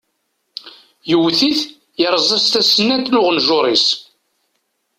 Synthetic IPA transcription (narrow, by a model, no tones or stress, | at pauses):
jəwθiθ | jəɾˤzˤæst̪æsənːæt̪lʊʁənʒʊɾˤis